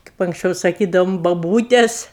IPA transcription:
kɐɪp ɐŋksʲˈt͡ʃʲɛʊ sɐˈkʲiːdɐʊm bɐˈbuːtʲɛs

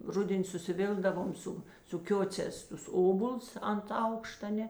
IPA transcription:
ˈrʊdʲɛnʲ sʊsʲɪˈʋʲɪlˠɡdɐʋoːm ˈsʊ sʊ ˈkʲoːt͡sʲɛːs tʊs ˈoːboːlˠs ɐnt ˈɐʊkʃtɐ ˈnʲɛ

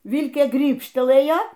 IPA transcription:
ˈʋʲɪlʲkʲeː ˈɡrʲiːpʲʃʲtʲɛlˠɘjɛ

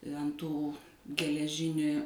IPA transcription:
ɐnt ˈtuː ɡʲɛlʲɛˈʒʲɪnʲɪ

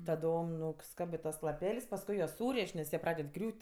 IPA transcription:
tɐˈdoːm nʊˈskɑːbɜ ˈtuɔs lˠɐˈpʲɛlʲsʲ pɐsˈkʊɪ juɔs ˈsuːrʲeːʃʲ nʲɛs ˈjiɛ ˈprɑːdʲɛt ˈɡrʲuːtʲ

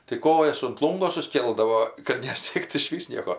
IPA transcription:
tɐɪ ˈkoːjɛs ʊnt ˈlˠuːŋɡoː sʊsʲˈkʲeːlˠdɐʋoː kɐt nʲɛˈsʲiɛkt ɪʃʲˈʋʲiːs ˈnʲiɛkoː

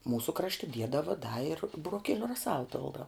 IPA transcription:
ˈmuːsʊ ˈkrɑːʃʲtʲɪ ˈdʲiɛdɐʋɐ dɐ ɪr bʊroːˈkʲiɛlʲʊ rɐˈsɐlˠ ˈpʲɪlˠdɐʊ

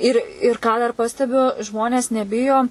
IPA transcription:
ɪr ɪr ˈkɑː dɐr ˈpɑːsʲtʲɛbʲʊ ˈʒmoːnʲeːs nʲɛˈbʲɪjoː

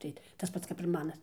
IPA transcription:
ˈtɐɪ tɐs ˈpɐts kɐp ɪr ˈmɑːnɐs

